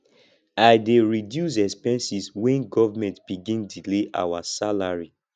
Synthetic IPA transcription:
ajdeɹidjus̬ɛkspɛ̃nsiswɛ̃nɡɔvamɛ̃ntb̥iɡĩndileʔa̰wasalaɹi

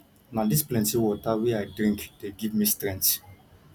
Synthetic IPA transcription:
nãdisplɛ̃ntiwɔtaweajdɾĩŋkd̥eɡivmistɾɛ̃nt

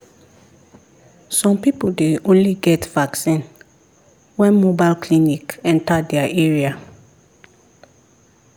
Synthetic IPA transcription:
sɔ̃mpipoldeõnliɡɛtv̥aksĩn | wɛ̃nmobaɪlkʰlinikɛ̃ntadɛaʔeɹia

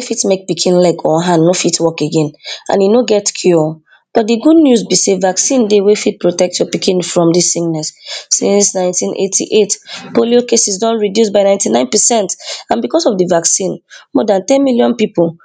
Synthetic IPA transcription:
wefitmek̚pikʰĩnlɛɡʰɔ̃ɦãnːofitwɔkeɡẽnã̰njunoɡɛtkʰju | b̥ɔt̚diɡud̚njuzbisevaksĩndewefit̚pɹotɛk̚tsjɔpikʰĩnfɹɔ̃mdisĩŋnɛssḭ̃nsnãɪ̃ntĩnʔḛtʰḭʔetpoliokesisdɔ̃nɹidjusbaɪnãɪ̃ntinãɪ̃npɛsɛ̃ntãnbikɔsɔvdivaksĩnmɔdãntɛ̃nmiljɔ̃npipul̩

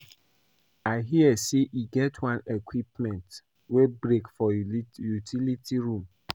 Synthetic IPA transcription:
aɪɦiəseʔiɡɛtʰwãnekwipmɛ̃nt | webɹekfɔjutʰilitʰiɹũm

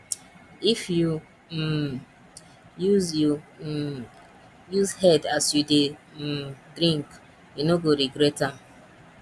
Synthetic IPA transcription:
ifju | juzju | juzhɛdasjude | dɾĩŋk | junoɡoɾiɡɾɛtam̩

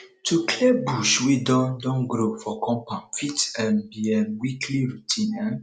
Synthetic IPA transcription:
tukʰlebuʃwidɔ̃ndɔ̃nɡɾofɔkɔ̃mpãnfitɛ̃nbiɛnwikʰliɹutʰĩnɛ̃

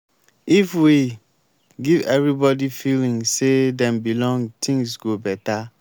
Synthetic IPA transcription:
ifwi | ɡivɛvɹibɔdifilĩŋsedɛ̃mbilɔ̃ŋɡtʰĩŋsɡobɛta

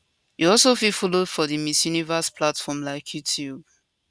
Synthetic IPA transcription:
juɔlsofifɔlod̥fɔðimisjunivəspʰlatfɔmlaɪkʰjutʰjub

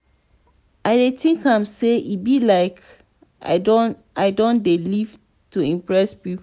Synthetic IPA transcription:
ʔaɪdetʰĩŋkãmseʔibilaɪk | a̰dõn | aɪdõndeliv | tuĩmpɹɛspip

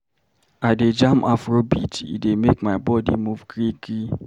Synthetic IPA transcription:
aded͡ʒamʔafɾobḭt͡ʃḭdemekmaɪbɔdḭmuvɡɾiɡɾi

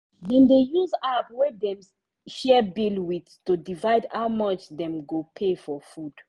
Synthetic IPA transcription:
ðɛ̃nd̪ejuzapwɛdɛ̃m | ʃɛbilwitstudivajdhawmʌt͡ʃðɛ̃mɡopʰefɔfud̥

